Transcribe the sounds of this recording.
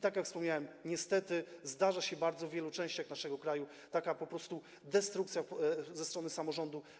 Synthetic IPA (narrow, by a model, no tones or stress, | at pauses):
t̪akjakfspɔmɲawɛmɲɛst̪ɛt̪ɘzd̪aʐaɕɛbaɾd̪zɔvʲjɛlut͡ʂɛ̃w̃ɕt͡ɕaxnaʂɛɡɔkɾaju | t̪akapɔpɾɔst̪u | d̪ɛst̪ɾukt̪sʲjazɛst̪ɾɔnɘsamɔʐɔnd̪u